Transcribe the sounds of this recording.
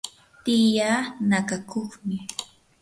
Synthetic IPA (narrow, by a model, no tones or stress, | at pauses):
t̪ɪjaːnakakʰoχmɪ